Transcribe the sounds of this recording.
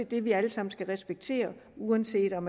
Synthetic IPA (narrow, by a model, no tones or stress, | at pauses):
ed̥e̝ʋiæləsɑ̈m̰n̩sɡ̥æʁɛsb̥eɡ̥̚t͡sʰe̝̰ːɐuænse̝̰ːd̥ɒ̽m